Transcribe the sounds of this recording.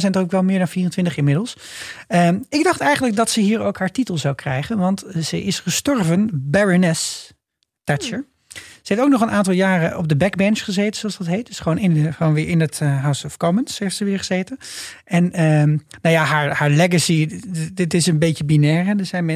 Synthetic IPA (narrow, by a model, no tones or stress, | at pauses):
zɛjndokʋɛlˠmɪːɹdɑnfiːrəntʋɪntəχɪmɪdəlˠsəɪɡ̚dɑχtɛjχənləɡ̚dɑtsəɦiːɹowkɦaːɹtitəlˠzawkrɛjχənʋɑntz̥əɪsχəstɔɹvənbɛɹənɛs | tat͡ʃəɹ | zəeftowk̚nɔχənʔaːntɑlˠjaːrəʔɔb̚dəbɛɡbɛnsχəzejtənsoɑsdɑtɦejt̚dɵsχʋoːnɪnəχəʋonʋɪːɹɪnətəɦawsɔfkomənseftsəʋɪːɹχəzejtənʔɛnənawjaɦaːɹhaːɹlɛɡəsidɪtɪsənbejcəbinɛːɹɛdəzɛjmɛ